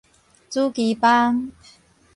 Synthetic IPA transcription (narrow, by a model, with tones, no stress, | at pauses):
t͡su˦˥ki˨˦pa˦˥ŋ